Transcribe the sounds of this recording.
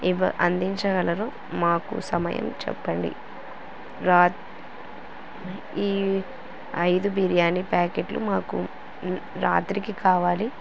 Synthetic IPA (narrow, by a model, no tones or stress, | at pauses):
iʋɐʔɐnd̪iɲt͡ʃɐɡɐlɐɾoː | maːkṵsɐmɐ̰jɐ̰mt͡ʃɛ̰pːɐɳɖḭ | ɾaː | iː | ɐjd̪ubiɾijaːnipaːkeːʈlṵmaːku | ɾa̰ːt̪ɾikikaːʋaːli